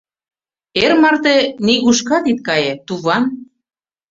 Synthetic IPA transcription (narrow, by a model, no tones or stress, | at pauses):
eɾmɑrt̪eniɣuʃkɑt̪it̪̚kɑjet̪uβɑn